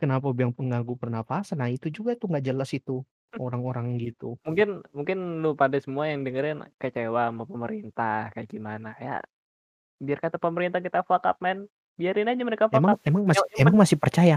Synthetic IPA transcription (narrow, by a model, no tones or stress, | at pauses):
kənapabiaŋpəŋɡaɡupərnapasənait̪ud͡ʒuɡat̪uŋɡaʔd͡ʒəlasit̪u | oɾaŋoɾaŋɡit̪umuŋkɪnmuŋkɪnlupadasəmuajaŋdəŋəɾɪnkət͡ʃewamapəməɾint̪ahkaaɡimanakaja̰ʔ | biarkat̪apəməɾint̪ahkit̪afaka̰p̚mɛn | biaɾɪnad͡ʒaməɾekafamaŋemaŋmasemaŋmasɪhpərt͡ʃaja